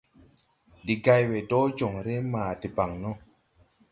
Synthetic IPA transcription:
di˨ɡa˧jwe˨do˦d͡ʒo˨ŋɾe˦maː˨di˨ba˨ŋnɔ˦˨

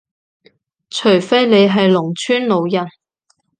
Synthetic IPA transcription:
t͡ʃʰɵ˨˩ɥfe˥jle˨˧jɦɐ˨jlʊ˨˩ŋt͡ʃʰyː˥nlo˨˧wjɐ˨˩n

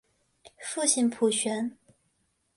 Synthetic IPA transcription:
fu˥˧ɕi˥˩npʰu˨˩ɕɥɛ˧˥n

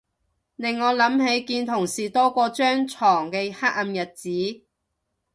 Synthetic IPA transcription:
nɪ˨˩ŋːɔː˨˧lɐ˨˥mɦe˨˥jkiː˧nt̪ʰʊ˨˩ŋsiː˨˩t̪ɔː˥kɔː˧t͡ʃœː˥ŋt͡ʃʰɔː˨˩ŋkɛ˧haː˥k̚ɐ˧mjɐ˨˩t̚t͡siː˨˥

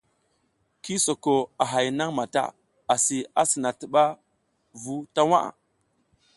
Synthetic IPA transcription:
ki˦so˨ko˨a˨ɦa˨jna˦ŋma˨ta̰˦ | a˨si˨a˦si˨na˨tə˨ɓa˦ | vu˦ta˦wa̰˦ʔa̰˨

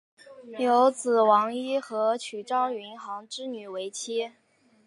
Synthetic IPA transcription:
jo˧˥ʊt͡sɹ̩˨˩wɑ˧˥ŋi˥xɤ˧˥t͡ɕʰy˨˩ʈ͡ʂɑ˥ŋy˧˥nxɑ˧˥ŋʈ͡ʂɻ̩˥ny˨˩we˧˥ɪt͡ɕʰi˥

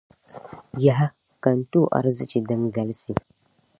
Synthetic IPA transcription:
ja˨ɦa˦ | kɐ˨ntu˦˨ʔa̰˨ɾzḭ˨t͡ʃi˨dɐ˦nɡa˨˦lsi˨

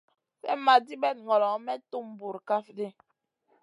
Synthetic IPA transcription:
fɛ̰˦ma˨di˦bɛ˦˨t̚ŋɔ˨lɔ˨˦mɛ˦tu˦˨m˨bu˨ɾka˦fdi˦

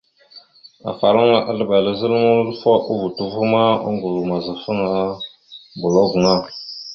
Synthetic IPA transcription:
a̰˨fa˨ɾa˦ŋa˦ʔa˨ɮə˨ba˨lə˦zə˦lŋu˦lfa˦ʔu˦vu˨tu˦vu˦ma˦ṵ˦ŋɡu˨lu˨ma˨za˨fə˦ŋa˦ | bu˨lo˦ɡu˨ŋa˦

